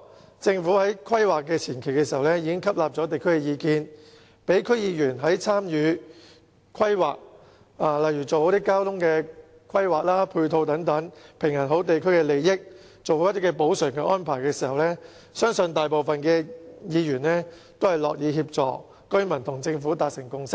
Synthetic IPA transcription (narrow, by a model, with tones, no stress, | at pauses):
t͡sɪ˧ŋfuː˨˥hɐ˨˥jkʰɐ˥jwaː˨kːɛː˧t͡sʰiː˨˩nkʰe˨˩jkɛː˧siː˨˩hɐ˨wlɛː˥jiː˧kɪ˥ŋkʰɐ˥p̚laː˨p̚t͡sɔː˨˥t̪e˨jkʰɵ˥ɥkɛ˧jiː˨˧kiː˧n | pe˨˥jkʰɵ˥ɥjiː˨˧jyː˨˩nɦɐ˨˥jt͡sʰaː˥mjyː˨˧ | kʰɐ˥jwaː˨k̚ | aː˨˩lɐ˨jɥyː˨˩t͡so˨who˨˥t̪iː˥kaː˥wt̪ʰʊ˥ŋkɛː˧ | kʰɐ˥jwaː˨k̚laː˥pʰuː˧t̪ʰo˧wt̪ɐ˨˧˥ŋt̪ɐ˨˥ŋpʰɪ˨˩ŋjɐ˨˩nɦo˨˥wt̪e˨jkʰɵ˥ɥkɛ˧le˨jːɪ˥k̚ | t͡so˨wo˨˦jt̪i˥kɛ˧po˨˥wsœː˨˩ŋkɛ˧ʔɔː˥npʰaː˨˩jkɛː˧siː˨˩hɐ˨wlɛː˥ | sœː˥ŋsɵ˧nt̪aː˨jpo˨wfɐ˨nkɛː˧jiː˨˧jyː˨˩nlɛː˥t̪o˥whɐ˨jlɔː˨k̚jiː˨˧ɦiː˧p̚t͡sɔ̰ː˨k | kɵ˥ɥmɐ˨˩nt̪ʰʊ˨˩ŋt͡sɪ˧ŋfuː˨˥t̪aː˨t̚sɪ˨˩ŋkʊ˧ŋsɪ̥˥k̚